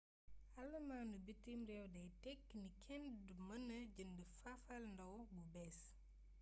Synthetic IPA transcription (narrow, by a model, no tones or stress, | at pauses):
ɐlːɐmaːnubitːimɾɛwdɐjtɛkːnikʰɛndumɐnːɐɟəndəfafɐlndɐwbubɛːs